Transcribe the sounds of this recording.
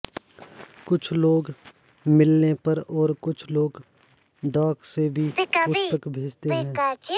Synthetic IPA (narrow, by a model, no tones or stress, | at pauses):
kʊt͡ʃʰloːɡ | mɪlnepɐɾɔːɾkʊt͡ʃʰloːɡ | ɖɔːksebʱiʊpəkbʱeːd͡ʒt̪eɦɛ̃ːa